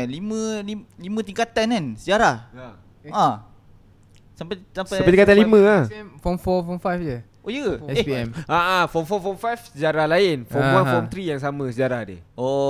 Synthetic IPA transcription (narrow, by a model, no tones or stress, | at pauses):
limə̃lilimə̃t̪iŋkat̪anansəd͡ʒaɾah | a | sampasamspapadikat̪alimə̃ahfɔmfɔfɔmfajfd͡ʒə | ʔojə | aʔafɔmfɔfɔmfajfsəd͡ʒaɾahlaɪnfɔmwafɔmt̪ɾijaŋs̬amə̃səd͡ʒaɾahdə̰ʔoʔ